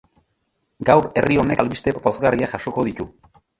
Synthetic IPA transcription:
ɡawɾe̞̰rio̞ne̞kalβist̪e̞po̞zɣariaʝaʃo̞ko̞ð̞it̪u

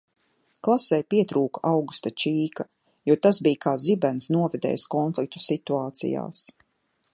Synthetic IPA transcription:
klˠasɛjpiɛt̪ɾuːkaawɡust̪at͡ʃiːka | juɔt̪asbijkaːzibɛnsnuɔvɛd̪ɛ̰ːjskɔnflˠik̚t̪u̥sit̪uaːt̪sḭja̰ːs

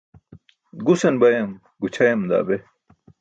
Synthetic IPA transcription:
ɡusɐnbɐjɐm | ɡut͡ɕʰɐjɐmd̪a̰ːbe

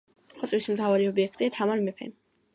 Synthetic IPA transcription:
χɔt̪ʼwismt̪ʰavaɾiɔbiɛkʰt̪ʼiat̪ʰamaɾmɛpʰɛ̰n

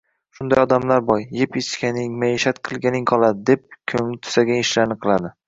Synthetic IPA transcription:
ʃʊnd̪ajɒd̪amlaɾbɒjːepet͡ʃkʲanɪŋmaeʃat̪qʰɨlˠɡʲanɪŋqʰɒlˠad̪ɪd̪e̞p̚kʲʰɵŋlɪt̪ʰʊ̥saɡʲaŋɪʃlaɾnɨqʰɨlˠad̪ɪ

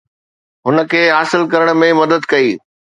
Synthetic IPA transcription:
ɦʊnə̆kʰeːɦaːsɪlkɐɾəɽ̃mẽmɐd̪əd̪kɐiː

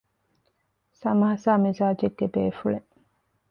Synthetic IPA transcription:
sɐmɐɦɐsaːmizaːd͡ʒeɡːebeːfuɭe

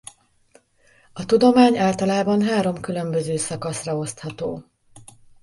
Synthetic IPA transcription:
ɒt̪ud̪o̞maːɲaːlt̪ɒlaːbɒnɦaːɾo̞mkylø̞mbø̞zøːsɒkɒsrɒo̞st̪hɒt̪oː

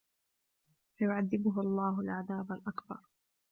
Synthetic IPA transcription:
fajʊʕaðːɪbʊɦʊɑlˤːɑːɦalʕaðaːbalʔakbɑ̰ɾˤ

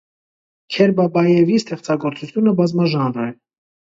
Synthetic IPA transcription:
kʰɛɾbɑbɑjɛvist̪ɛχt͡sɑɡɔɾt͡sut͡sʰjunəbɑzmɑʒɑnɾɛ

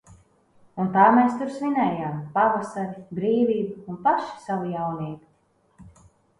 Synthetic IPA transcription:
unt̪aːmɛːst̪uɾsvinɛːjaːmpavasaɾibɾiːviːbaunpaʃi̥savujawniɛkt̪ʲi̥

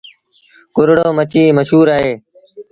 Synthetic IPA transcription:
kʊɾɽoːmət͡ʃiːməʃɦuːɾaːɦeː

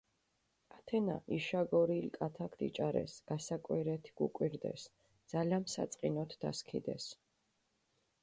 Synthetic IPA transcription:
at̪ʰɛna̰ʔiʃaɡɔɾilkʼat̪ʰakʰd̪ḭt͡ʃʼaɾɛ̰sɡ̥asakʼwiɾɛt̪ʰiɡ̥ukʼwiɾd̪ɛ̰s | d̪z̥alamsa̰t̪sʼqʼinɔt̪ʰd̪̥a̰skʰḭd̪ɛs

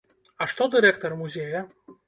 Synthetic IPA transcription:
ɐʂt̪ɔd̪ɨɾɛkt̪ɔrmuzʲejɐ

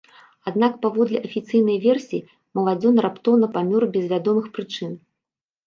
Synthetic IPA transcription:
ad̪nakpavɔd̪lʲiʔɐfʲit̪sɨjnɐjvʲɛrsʲiː | mɐlˠad͡zʲɔnrapt̪ɔwnɐpamʲɔrbʲɛzvʲad̪ɔmɨxpɾɨt͡ʂɨn

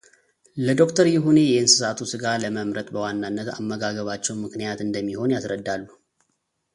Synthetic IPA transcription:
ləd̪o̞kt̪ʰəɾjɪɦone̞jɛɨnsɨsat̪ʰusɨɡaləməmɾət̪ʼbəwanːanːət̪a̰mːəɡaɡəβat͡ʃːɛwmɨknijat̪ɨnd̪əmːiho̞njasɾəd̪ːalːu

